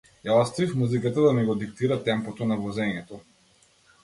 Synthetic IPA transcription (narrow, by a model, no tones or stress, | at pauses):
jaɔst̪avifmuzikat̪ad̪amiɡɔd̪ik̚t̪iɾat̪ɛmpɔt̪ɔnavɔzɛɲɛt̪ɔ